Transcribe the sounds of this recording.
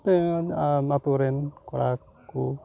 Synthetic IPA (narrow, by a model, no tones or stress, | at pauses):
t̪enamat̪uɾɪnkuɾa | ku